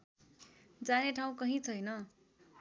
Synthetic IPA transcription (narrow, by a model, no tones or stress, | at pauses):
d͡zaneʈʰaw̃kʌɦĩt͡sʰʌjnʌ